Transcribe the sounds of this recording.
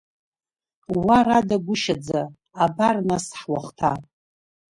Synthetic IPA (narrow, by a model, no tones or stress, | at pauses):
waradaɡʷʊʃad͡zaː | barnasħwaχtʰa